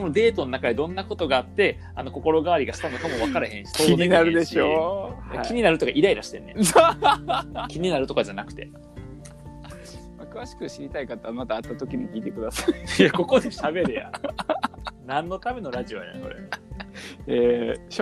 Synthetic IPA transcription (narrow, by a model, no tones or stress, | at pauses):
onod̪e̞ːt̪o̞no̞nakad̪ed̪õ̞nːako̞t̪o̞ɡaːt̪ːe̞ | ano̞ko̞ko̞ɾo̞ɡaβaɾʲiɡaɕi̥t̪ano̞kamo̞βakaɾehẽɕi̥soːiɲʲeinaɾɯ̟d̪eɕoja̰kiɲ̟inaɾɯ̟t̪ːokaʔiɾaiɾaɕi̥t̪e̞̰nːe | kʲiɲ̟inaɾɯ̟t̪o̞kad͡ʑanakɯ̟̥t̪e̞̰ | makɯ̟βaɕi̥kɯ̟ɕiɾʲit̪aikat̪ːamat̪aːt̪ːat̪o̞kʲiɲ̟ikʲiːt̪e̞kɯ̟d̪asḁjako̞ko̞d̪e̞ɕabe̞ɾɯja̰ | nãnːo̞t̪ame̞noɾaʑio̞j̪a̰ko̞̰ɾene | eɕ